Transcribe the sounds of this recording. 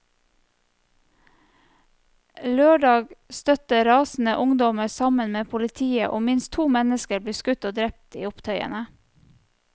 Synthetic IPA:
løːɖɑːɡst̪œt̪əɾɑːsn̩əʔʊŋd̪ɔməsɑmənmeːpʰʊlɪt̪ʰiːə̰ʔo̰ːmɪnst̪ʰuːmɛnəskəɾbliːskʉt̪oːd̪ɾɛp̚t̪ḭːʊpt̪ʰœʏə̰nə

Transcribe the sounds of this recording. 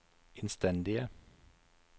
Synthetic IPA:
ʔɪnst̪ɛnd̪ɪə

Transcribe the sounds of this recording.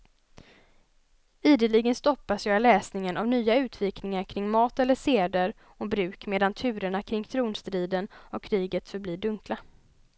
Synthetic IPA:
iːd̪əlɪɡənst̪ɔpːasjɑɪlɛːsnɪŋənʔavnyːaʉ̟ːt̪ʰviːknɪŋaɾkʰɾɪŋːmɑːt̪ɛlːəʂeːd̪əɾ | ɔbɾʉ̟ːkmeːd̪ant̪ʰʉ̟ːɾəɳakʰɾɪŋːt̪ʰɾuːnst̪ɾiːd̪ənɔkʰːɾiːɡət̪fœɾbliːɖɵŋkla

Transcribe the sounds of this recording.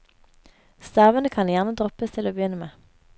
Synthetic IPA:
st̪ɑːʋənəkʰɑnjæʁnəd̪ʁɔpəst̪ʰɪloːbəjʏnəmeː

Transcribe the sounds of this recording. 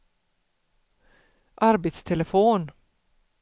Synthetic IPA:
ʔɑɾbət̪st̪ʰɛləfuːn

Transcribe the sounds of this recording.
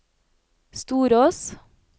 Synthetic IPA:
st̪uːɾoːs

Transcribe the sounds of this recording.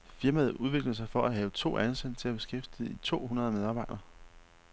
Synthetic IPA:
fiɐmæð̞̩ˠuðˠʋe̝ɡ̥ləs̬ɑ̈ɪfɒ̽ʔæɦɛːʊət͡sʰo̝̰ːʔænsed̥t͡sʰe̝læb̥e̝sɡ̥efd̥ið̩ˠit͡sʰo̝̰ːhunɐðˠɐmeð̞ˠɑ̈bɑ̈ɪ̰d̥ɐː

